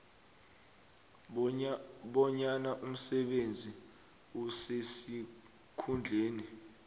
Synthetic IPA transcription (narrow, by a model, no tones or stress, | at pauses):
ɓɔɲanaʔum̩sɛɓend͡zʱi | usesi | kʰund͡ɮʱeːni